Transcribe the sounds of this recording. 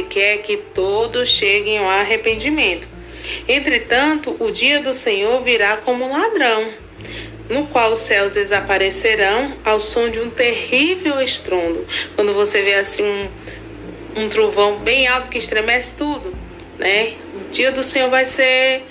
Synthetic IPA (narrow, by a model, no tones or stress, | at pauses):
kɪɛkɪt̪od̪ʊsʃeɡẽj̃aaɦepẽnd͡ʒimẽnt̪ʊ̥ | ẽnt̪ɾɪt̪ɐ̃nt̪ʊʔʊd͡ʒiɐd̪ʊsẽɲoɾviɾakõmʊũlad̪ɾɐ̃w̃ | nʊkwawʊsɛwzd̪ezapaɾeseɾɐ̃w̃awsõd͡ʒɪũt̪ehiveweʃt̪ɾõnd̪ʊkwɐ̃nd̪ʊvoseveasĩũ | ũt̪ɾuvɐ̃w̃bẽj̃awt̪ʊ̥kɪiʃt̪ɾemɛsɪ̥t̪ud̪ʊ | nʔɛ | ʊd͡ʒiɐd̪ʊsẽɲoɾvajseɾ